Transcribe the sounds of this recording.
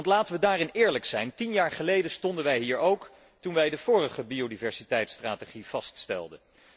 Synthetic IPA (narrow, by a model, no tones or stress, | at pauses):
ntlaːtəʋədaːrɪnɪːɹləksɛjntinjaːɹχəlejdəstɔndənʋɛjɦiːɹowk | tunʋɛjdəv̥ʊːrəχəbiodivɛɹsitɛjtstraːteχiv̥ɑststɛ̰lˠdən